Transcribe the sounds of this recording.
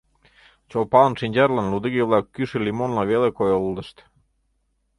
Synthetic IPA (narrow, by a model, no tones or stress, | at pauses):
t͡ɕolˠpɑlˠnʃinʲd͡ʑæɾlɑnlud̪iɣiβlˠɑkːyʃelʲimonlɑβelekojoulˠd̪ə̆ʃt̪